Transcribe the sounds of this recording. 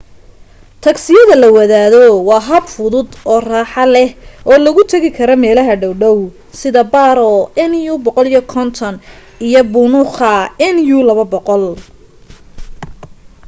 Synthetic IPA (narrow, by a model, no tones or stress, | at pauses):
t̪ʰɐɡsɪjɐðɐlɐwɐðaːðɔwɑːɦɐbfʊðʊd̪ʔɔːraːħɑlɛhʔɔːlɐɣʊt̪ʰɐɣɪkʰɐɾɔmɛːlɐɦɐɖɐwɖɐw | sɪðɐbaːɾɔɛnjubɔqɔlijɐkʰɔnt̪ʰɔn | ijɔbʊnʊχɐɛnjulɐβɐbɔqɔl